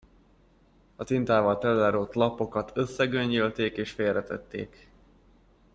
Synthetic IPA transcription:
ɒt̪int̪aːvɒlt̪ɛlːɛɾoːt̪lɒpo̞kɒt̪ʰø̞sːɛɡøɲːølt̪eːkeːʃfeːrɾɛt̪ɛ̰t̪ːḛːk

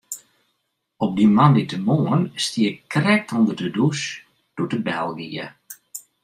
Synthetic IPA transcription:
ɔp̚dimanditəmoənstiəkrɛk̚tʰɔndərdədus | d̥utəbɛlˠɡiə̰

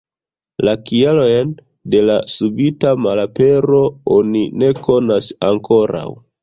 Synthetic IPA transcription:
lakialojn | de̞lasubitamalape̞ɾo̞onine̞ko̞nasaŋkʰo̞ɾa̰w

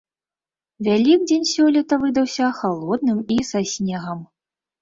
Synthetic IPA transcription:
vʲalʲikd͡zʲenʲsʲɔlʲit̪ɐvɨd̪ɐwsʲɐxalˠɔd̪nɨmisasʲnʲɛɣɐm

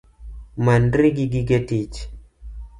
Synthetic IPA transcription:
mandɾiɡiɡiɡetit͡ʃ

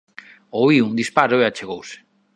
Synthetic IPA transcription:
oiund̪ispaɾoeat͡ʃeɣowse̥

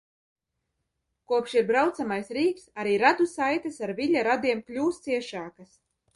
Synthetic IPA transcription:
kuɔpʃiɾbɾawt̪samajsɾiːksaɾiːɾad̪usajt̪asaɾvʲiʎʲaɾad̪iɛmklʲuːst̪siɛʃaːkas

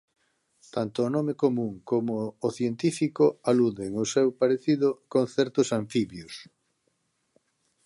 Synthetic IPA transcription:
t̪ant̪ʊːnɔmekomũŋkomoːθjent̪ifikoaluðeŋʊsewpaɾeθiðʊkonθɛɾt̪ʊsaɱfiβjos

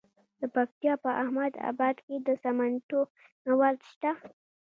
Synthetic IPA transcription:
d̪̥əpak̚t̪ijɑpəʔahmad̪a̰bɑd̪ked̪əsamanʈo | nawalt̪ʃt̪a

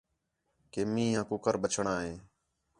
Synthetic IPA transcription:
keːmĩːɦãːkʊkəɾɓət͡ʃʰɳaːɦeː

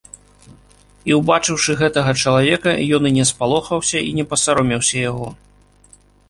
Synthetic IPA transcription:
iwbat͡ʂɨwʂɨɣɛt̪ɐɣɐt͡ʂɐlˠavʲɛkɐjɔnɨnʲɛspalˠɔxɐwsʲɐinʲɛpɐsaɾɔmʲiwsʲɐjaɣɔ

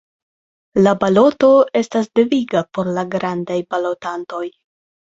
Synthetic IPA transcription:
labalo̞to̞e̞stasdeviɡapo̞ɾlaɡɾandajbalo̞tanto̞j

